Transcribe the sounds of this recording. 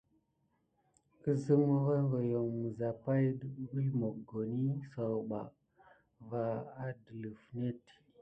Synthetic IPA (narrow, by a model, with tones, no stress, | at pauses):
kə˦zə˦mu˦va˦ŋɡo˨jo˨ŋmə˨za˨pa˦jdə˦ɗbə˦lmo˨ɡo˨ni˦sa˨wɓa˨ | va˨a˦də˨lə˨fne˦t